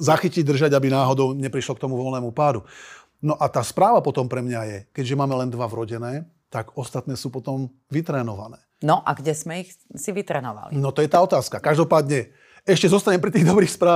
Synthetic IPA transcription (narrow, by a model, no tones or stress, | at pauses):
zaxiciɟ̚d̪r̩ʒaɟabinaːɦɔd̪ɔʊɲɛpɾiʃlɔkt̪ɔmuʋɔlnɛːmupaːd̪u | nɔʔat̪aːspɾaːʋapɔt̪ɔmpɾɛmɲajɛkɛɟʒɛmaːmɛlɛnd̪ʋavɾɔɟɛnɛː | t̪aɡɔst̪at̪nɛːsuːpɔt̪ɔm | ʋit̪ɾɛːnɔʋa̰nɛːnɔʔa̰ɡɟɛzmɛix | siʋit̪ɾɛ̰ːnɔʋa̰linɔt̪ɔjɛt̪aːɔt̪aːskakaʒd̪ɔpaːd̪ɲɛ | ɛʃcɛzɔst̪aɲɛmpɾit̪iːɣd̪ɔbɾiːxspɾaː